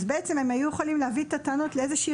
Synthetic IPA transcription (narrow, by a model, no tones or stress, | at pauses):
zbeet͡se̞memajujeχalimleavit̪at̪ano̞t̪leezeʃi